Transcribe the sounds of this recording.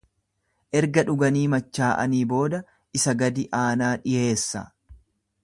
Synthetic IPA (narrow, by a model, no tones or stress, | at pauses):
ʔɛɾɡɐᶑʊɡɐniːmɐt͡ʃːaːʔɐ̰niːbo̞ːd̪ɐ | ʔɪsɐɡɐd̪ɪʔaːnaːᶑɪje̞ːsːɐ̰